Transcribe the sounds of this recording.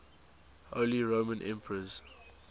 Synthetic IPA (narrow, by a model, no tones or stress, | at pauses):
oliɹoːmə̃nʔɛ̰̃mpʰəɹəz̥